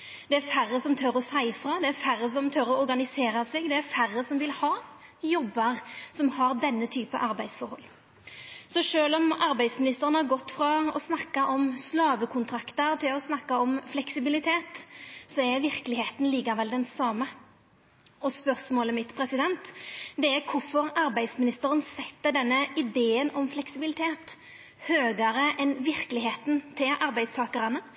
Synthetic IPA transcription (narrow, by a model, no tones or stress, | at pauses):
d̪̥ɛæɾfærːəsɔmt̪ʰœɾɔsæɪfɾɑd̪ɛæɾfærːəsɔmt̪ʰœɾɔɔɾɡɑnɪseːɾɑsɛɡd̪ɛæfæɾːəsɔmʋɪlhɑː | jɔbːɑʁsɔmhɑɾd̪ɛnːət̪ʰyːpə̰ʔɑɾbæɪd̪sfɔɾhɔ̰lː | sɔʂøːlɔmɑɾbæɪd̪smɪnɪst̪əɾənəhɑɾɡɔt̪ːfɾɑɔ̰snɑkːɑʔɔmslɑːʋəkʰʊnt̪ʰɾɑkt̪əɾt̪ʰɪlɔsnɑkːɑɔmflɛksɪbɪlɪt̪ʰeːt̪sɔɛɾʋɪʁklɪheːt̪n̩liːkɑɾʋɛld̪ɛnsɑːmə | ɔspœʁsmoːləmɪt̪pʰɾɛsɪd̪ɛnt̪d̪ɛæɾkʰʊɾfɔɾɑɾbæɪd̪smɪnɪst̪əɾənsɛt̪ːəd̪ɛnːəɪd̪eːənɔmflɛksɪbɪlɪt̪ʰeːt̪ | høːɡəɾəʔɛnʋɪʁkəlɪɦeːt̪nt̪ʰɪlʔɑɾbæɪd̪st̪ʰɑːkəɾɑnə